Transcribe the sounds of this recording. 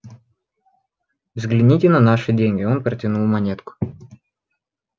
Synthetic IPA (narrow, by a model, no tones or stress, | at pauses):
vzɡlʲɪnʲitʲɪnɐnaʂɨdʲenʲɡʲɪonpɾətʲɪnulˠmɐnʲet̪kʊ̥